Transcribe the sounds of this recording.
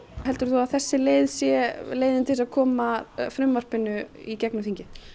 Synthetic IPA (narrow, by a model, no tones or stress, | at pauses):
hɛlt̪ʏɾ̥θuaðθɛsːɪleːjðsjɛleːjðɪnt̪ʰɪlsaðkʰɔːmafɾʏmːar̥pɪnʏicɛknʏθiɲcɪ